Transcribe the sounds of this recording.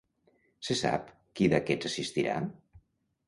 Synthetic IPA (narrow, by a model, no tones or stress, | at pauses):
sesa̰p | kiðakɛzasist̪iɾa̰